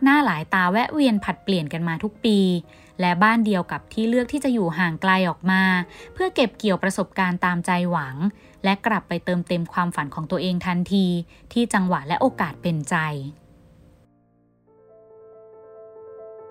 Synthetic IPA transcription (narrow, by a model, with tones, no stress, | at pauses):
k̚naː˥˩laː˨˩˦jt̪aː˧wɛ˦˥ʔwi˧ənpʰa˨˩t̪̚pli˨˩ənka˧nmaː˧t̪ʰu˦˥k̚piː˧ | lɛ˦˥baː˥˩ndi˧əwka˨˩p̚t̪ʰiː˥˩lɯ˥˩ək̚t̪ʰiː˥˩t͡ɕa˨˩juː˨˩ɦaː˨˩ŋkla˧jʔɔː˨˩k̚maː˧pʰɯ˥˩ɐke˨˩p̚ki˨˩əwpɾa˧so˨˩p̚kaː˧nt̪aː˧mt͡ɕa˧jwa˩˦ŋ | lɛ˦˥ʔkɾa˨˩pːa˧jt̪ɤː˧mt̪e˧mkʰwaː˧mfa˨˩˦nkʰɔː˩˦ŋt̪u˧ɐʔeː˧ŋt̪ʰa˧nt̪ʰiː˧t̪ʰiː˥˩t͡ɕa˧ŋwa˨˩ʔlɛ˦˥ʔoː˧kaː˨˩t̪̚pe˧nt͡ɕa˧j